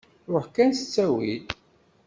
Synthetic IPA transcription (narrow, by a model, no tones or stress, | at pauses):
ɾʊħkænsə̥t͡sːæwḭl